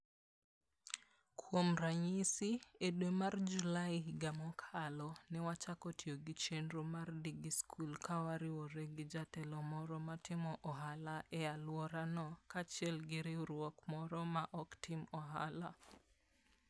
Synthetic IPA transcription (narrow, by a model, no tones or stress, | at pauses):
kʰwomraɲisiedwemard͡ʒulaɪɡamɔkʰalɔnɛwat͡ʃakɔtʰjoɡɪt͡ʃendɾomardiɡiskʰulkawaɾɪwoɾeɡɪd͡ʒatɛlɔmɔɾɔmatɪmɔʔɔɦalaʔɛalwɔɾanɔkat͡ʃɛlɡɪɾɪɾwɔkmɔɾɔmaʔɔktɪmɔɦala